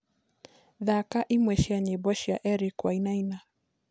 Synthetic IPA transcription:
ðakaʔimwɛʃiaɲɛbɔʃiaʔɛɾikwainaina

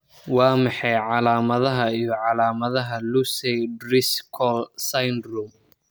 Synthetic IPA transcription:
wɑːmɑħɑjʕɑlaːmɐðɐɦɐijɞʕɑlaːmɐðɐɦɐlusɛjdrɪskʰɔlsɐjndrum

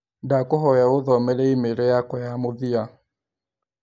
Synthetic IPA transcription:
dakoɦɔjaoðɔmɛɾɛimeɾɛjakɔjamoðia

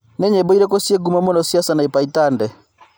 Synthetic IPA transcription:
nɛɲɛbɔiɾɛkosieɡumamɔnɔsiasanaipaitandɛ

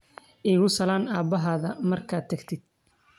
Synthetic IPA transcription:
ʔiːɣʊsɐlaːnaːbɐɦaːðɐmɐrkʰaːt̪̚ʰɐɡt̪ʰɪd̪̥̚

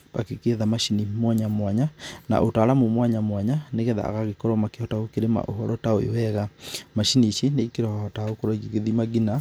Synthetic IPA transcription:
ba̰kekeðamaʃinimwaɲamwaɲana̰ʔotaɾamomwaɲamwaɲaneɣɛða̰ɣaɣekɔɾɔmakehɔtaokeɾema̰ʔo̰ɦɔɾʔɔtaoḛwɛɣamaʃiniʃeneikeɾɔhɔtaokoɾɔiɣiɣeðimaɣina

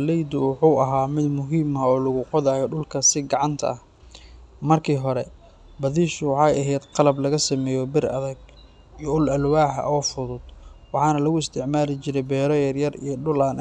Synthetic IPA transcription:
lɛjd̪ʊwɑħuːɐɦaːmɪd̪mʊɦiːmɐɔːlɐɣʊqɔðaːjɔɖʊlkʰɐsɪɡɑʕɑnt̪ʰɐ̰ɐh | mɐrkʰiːɦɔɾɛ | bɐðiːʃʊwɑħɑːjɐɦɛːd̪qɑlɐblɐɣɐsɐmɛːjɔbɪrɐ̰ðɐɡ | ijɔʊlɐlwaːħɐ̰ʔɔːfʊðʊd̪wɑħɑːnɐlɐɣʊɪst̪ʰɪʕmaːlɪt͡ʃɪɾɛjbɛːɾɔjɐrjɐrḭjɔɖʊlaːn

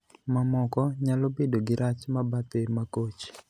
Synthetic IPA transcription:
mamɔkɔɲalobedoɡɪɾat͡ʃmabat̪emakot͡ʃ

